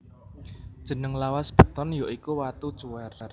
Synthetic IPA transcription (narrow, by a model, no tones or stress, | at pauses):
d̥ʒ̥ə̤nəŋlawasb̥ə̤t̪ɔnjoʔikuwat̪ud̥t͡ʃuwɛrr